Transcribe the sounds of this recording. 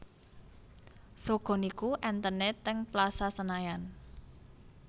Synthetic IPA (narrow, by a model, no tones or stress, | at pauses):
soɡ̥ɔ̤nikuʔɛnt̪ənɛt̪ɛŋplasasənajan